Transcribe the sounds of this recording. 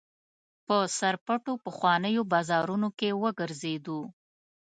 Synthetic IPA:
pəsaɾpəʈopəxwɑnəjobɑzɑɾunokewəɡəɾzed̪u

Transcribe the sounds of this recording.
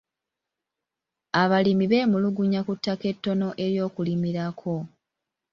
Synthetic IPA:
aβalimiβe̞ːmuluɡuɲakutːake̞tːo̞no̞ʔe̞ɾjo̞ːkulimiɾakʰo̞

